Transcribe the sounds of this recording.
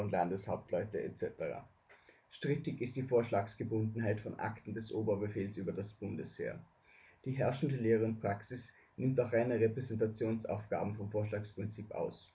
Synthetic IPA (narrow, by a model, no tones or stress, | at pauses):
ʊnlandəshaʊp̚tlɔʏtəɛ̰t͡sɛtəʁa̰ː | ʃtʁ̥ɪtɪçɪst̚d̥iːfoːɐʃlaːksɡ̥əbʊndn̩ɦaɪtfɔnʔa̰ktn̩dɛsʔoːbɐbəfeːlsyːbɐdasb̥ʊndəshḛːɐ | d̥iːɦɛɐʃn̩dəleːʁəʊntpʁ̥aksɪs | nɪmtaχʁaɪnəʁepʁ̥ɛzɛntat͡sjoːnsʔa̰ʊfɡ̥a̰ːbm̩fɔmfoːɐʃ̬laːkspʁ̥ɪnt͡siːpʔa̰ʊs